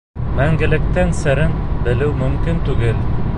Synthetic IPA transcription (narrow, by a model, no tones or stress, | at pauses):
mæŋɡɘ̆lɘ̆k̚t̪ænsɘ̆ɾɘnbɘ̆lɘwmɵ̆mkint̪ʉɡɘl